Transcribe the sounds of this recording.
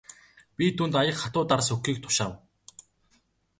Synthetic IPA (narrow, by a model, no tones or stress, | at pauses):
pʲit̪ʰuːnt̪ajə̆kχat̪ʊːt̪arsɵkːiːk̚t̪ʰʊ̥ʃaːw